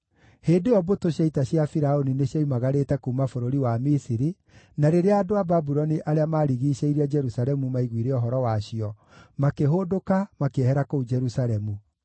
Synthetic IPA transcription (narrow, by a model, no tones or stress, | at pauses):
heːdeɔbotoɕaitaɕjafiɾaonineɕjaimaɣaɾeːtɛkuːmafoɾoɾiwamisiɾi | naɾeɾeaːdoababuɾɔniʔaɾeamaːɾiɣiɕeiɾiad͡ʒɛɾusalɛmumaiɣwiɾeɔɦɔɾɔwaɕiɔ | makeɦodokamakehɛɾakoud͡ʒɛɾusaɾɛmu